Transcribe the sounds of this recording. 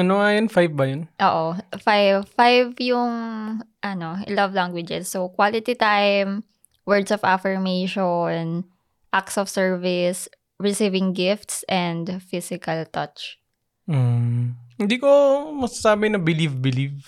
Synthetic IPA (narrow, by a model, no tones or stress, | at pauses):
ʔɐnoɐjɐnfajvbɐjonʔoːʔofajvfajvjʊŋʔɐnoɪlɐvlaŋɡwɪd͡ʒɛsːokwalɪt̪it̪ajm | wɛɹd̪sɔvafɛɹmejʃon | ʔaksɔfsɛɹvɪs | ɹɪsivɪŋɡɪft̪sʔɛnd̪fisɪkɐlt̪ɐt͡ʃ | m̩ | hɪnd̪iːkomɐɡsasaːbɪnɐbɪlivbɪliv